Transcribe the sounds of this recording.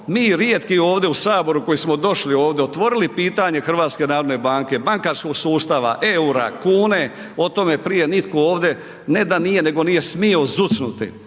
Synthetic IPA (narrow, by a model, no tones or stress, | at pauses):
miːɾjet̪kio̞ːʋd̪eusaːbo̞ɾuko̞jismod̪o̞ʃlio̞ːʋd̪eot̪ʋo̞ɾilipiːt̪aɲe̞xr̩ʋaːt̪ske̞naːɾo̞d̪ne̞baːŋke̞baŋkaːɾskoɡsuːst̪aʋa̰ʔeuɾa̰kuːne̞ | o̞t̪o̞me̞pɾije̞nit̪kooːʋd̪e̞ | ne̞d̪anijene̞ɡo̞nije̞smio̞zusnut̪ḭ